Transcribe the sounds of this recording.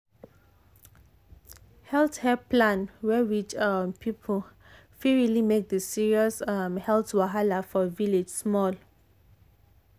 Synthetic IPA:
hɛlθhɛplãnwɛwit͡ʃmpʰipʰəl | fiɹilimek̚dəsiɹiɔsamhɛltwaɦalafɔviled͡ʒsmɔl

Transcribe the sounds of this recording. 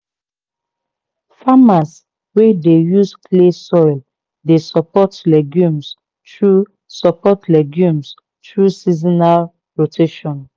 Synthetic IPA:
famas | wedejuskʰlesɔjl | desɔpɔtlɛɡjũms | tɹu | sɔpʰɔtlɛɡjũms | tɹusizinal | ɹotʰeʃɔ̃n

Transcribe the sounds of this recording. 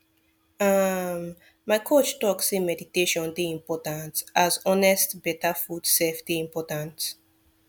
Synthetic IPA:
ʌm | maɪkʰot͡ʃtɔksemɛditeʃɔ̃ndeĩmpɔtãntʔazɔnɛstbɛtafud̥seftiĩmpɔtãnt

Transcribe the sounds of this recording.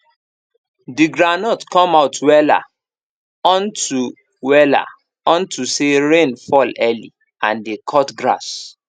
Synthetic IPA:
diɡɹanɔtkɔ̃maʊtwɛla̰ | ɔ̃ntu | wɛla̰ | ɔ̃ntuseɹẽnfɔlɛlḭ | ãndekʰɔtɡɹa̰s

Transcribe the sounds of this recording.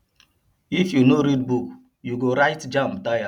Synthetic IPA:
ifjunoɾidbuk | juɡoɾaɪtd͡ʒãmpdaja

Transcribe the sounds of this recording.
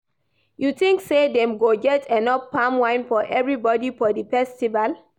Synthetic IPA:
juθĩŋksedɛ̃mɡoɡɛtʰɛ̃nɔpːãmwãɪ̃nfɔʔɛvɹibɔdifɔdifɛstival

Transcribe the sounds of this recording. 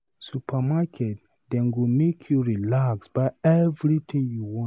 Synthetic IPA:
supʰamakʰɛt̚ | dɛ̃nwimekʰjuɹilaksb̥aɪɛvɹit̪ʰĩŋjuwɔ̃

